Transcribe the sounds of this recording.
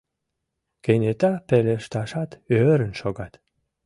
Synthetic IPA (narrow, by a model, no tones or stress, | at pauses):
kenʲet̪ɑpeleʃt̪ɑʃɑt̪øɾənʃoɡɑt̪